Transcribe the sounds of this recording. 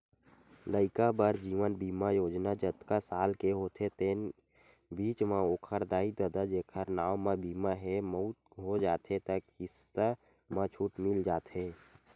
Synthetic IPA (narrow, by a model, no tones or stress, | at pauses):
ləɪkabəɾd͡ʒiːʋənbiːmajoːd͡ʒnad͡ʒət̪kasaːlkeɦot̪ʰet̪eːn | biːt͡ʃmãokʰəɾd̪aːid̪əd̪ad͡ʒeːkʰəɾnaːwmãbiːmaɦɛməʊt̪̚ɦod͡ʒaːt̪et̪əkɪst̪ə | mãt͡ʃʰuʈmɪld͡ʒaːt̪ɦeː